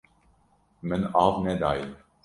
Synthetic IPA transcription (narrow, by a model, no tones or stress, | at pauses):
mənɑːvnɛd̪ɑːj